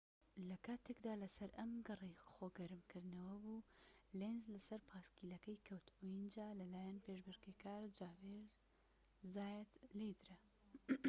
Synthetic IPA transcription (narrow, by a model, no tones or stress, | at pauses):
lɐkʰaːt̪ʰekd̪aːlɐsɐɾɐmɡɐrˤijxoːɡɐɾɨmkɨɾd̪nɐwɐbuːlenzlɐsɐɾpʰaːskiːlɐkɐjkʰɐwt̪ʰujind͡ʒaːlɐlaːjɐnpeːʒbɨɾɡekaːɾd͡ʒaːveɾ | zaːjɛt̪lejd̪ɾɐ